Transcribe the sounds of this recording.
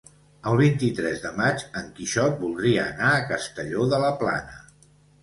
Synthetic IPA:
əlˠβ̞int̪it̪ɾɛzðəmat͡ʃəŋkiʃɔt̪̚bulˠd̪ɾiəːnaəkəst̪əʎoðələpla̰nə

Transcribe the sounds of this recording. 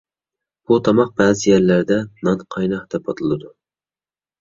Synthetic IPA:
b̥ut̪ʰɑmɑq̚bæːzɪjaɾlæɾd̪ɛnɑnqʰɑjnɑt̪ʰɛpʰːɑt̪ʰɨlˠɨd̪ʊ

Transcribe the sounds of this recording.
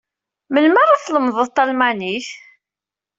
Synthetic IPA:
mənməɾˤaθləmðˤəðˤt̪ˤːɑlmæniθ

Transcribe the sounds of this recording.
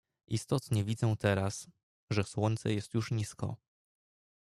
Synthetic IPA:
ʔist̪ɔt̪ɲɛvʲid̪zɛ̃t̪ɛɾas | ʐɛswɔɲʲt̪sɛ̰jɛst̪juʂɲiskɔ̰

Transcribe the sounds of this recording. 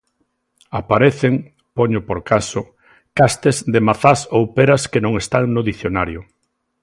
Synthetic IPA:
apaɾeθeŋ | poɲʊpoɾkasʊ | kast̪ezd̪emaθasowpeɾaskenõŋest̪aŋnoðiθjonaɾjʊ

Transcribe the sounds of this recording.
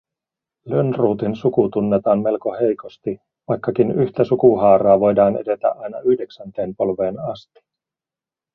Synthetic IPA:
lønruːt̪insukut̪unːet̪ɑːnme̞lko̞he̞jko̞st̪i | ʋɑjkːɑkinyçt̪æsukuɦɑːɾɑːʋo̞jdɑːnḛde̞t̪æ̰ʔɑjnɑyhde̞ksænt̪e̞ːmpo̞lʋe̞ːnɑst̪i̥

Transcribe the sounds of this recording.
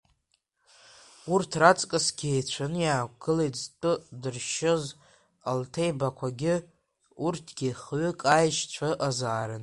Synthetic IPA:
urtʰrat͡sʼkʼɨsɡʲejt͡ɕʷʰanɨjaːkʷɡɨlejtʰztʷʼɨdɨrʃɪz | altʰejbakʷʰaɡʲɪ | urtʰɡ̥ʲɪχɥʏkʼajʃt͡ɕʷʰaʔazaːɾɨn

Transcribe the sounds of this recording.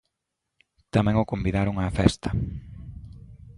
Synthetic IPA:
t̪amɛ̃ŋʊkombiðaɾʊŋafɛst̪ɐ

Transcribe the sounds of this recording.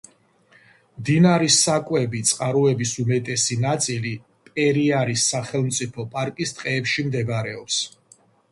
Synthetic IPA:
md̪inaɾisakʼwɛbit̪sʼqʼaɾɔɛbisumɛt̪ʼɛsinat̪sʼili | pʼɛɾiaɾisːaχɛlˠmt̪sʼipʰɔpʼaɾkʼist̪ʼqʼɛːpʃimd̪ɛbaɾɛɔps

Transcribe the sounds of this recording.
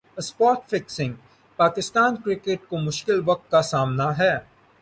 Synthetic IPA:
spɔːʈfɪksɪ̃ŋɡ | paːkɪst̪aːnkɾɪkeːʈ̚komʊʃkɪlʋɐk̚t̪̚kasaːmnaɦɛː

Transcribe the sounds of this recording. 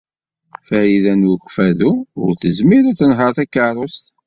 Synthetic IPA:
fæiðænwəkʷːfæðuʊ̰ɾθəzmiɾʊθənɦəɾˤθækːərˤʊst̪

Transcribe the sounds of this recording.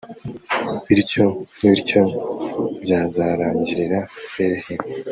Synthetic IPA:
iɾco̞niβiɾco̞ | bɟaːzaːɾaːɲɟiɾeɾaeɾehee

